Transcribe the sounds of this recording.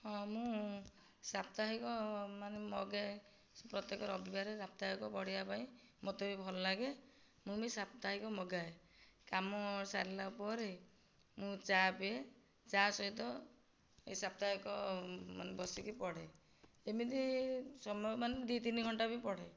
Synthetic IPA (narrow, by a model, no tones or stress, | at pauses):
hɔ̃mũ | sap̚t̪aɦikɔmanemɔɡe | pɾɔt̪jekɔɾɔbibaɾeɾap̚t̪aɦikɔpɔɽ̤ibapaĩ | mɔt̪ɔbibʱɔlɔlaɡe | mũmisapt̪aɦikɔmɔɡae | kamɔsaɾilaupɔɾe | mũt͡ʃapie | t͡ʃasɔɦit̪ɔ | esap̚t̪aɦikɔma̰nebɔsikipɔɽe | emid̪isɔmɔɔmaned̪it̪iniɡʱɔɳʈabipɔɽe